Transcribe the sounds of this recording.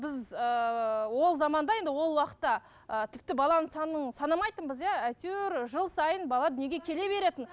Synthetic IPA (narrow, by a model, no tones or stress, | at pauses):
bɪzəwo̞lˠzɑmɑnd̪ɑje̞nd̪ɪwo̞lˠwɑqə̥t̪ːɑ | ət̪ʰɪp̚t̪ɪbɑlˠɑnəsɑnuənsɑnɑmɑjt̪əɴbəzjɑæt̪yɾʒəlˠsɑjənbɑlˠɑd̪ʏnje̞ɡʲe̞kʲʰe̞le̞βe̞ɾe̞t̪ɪn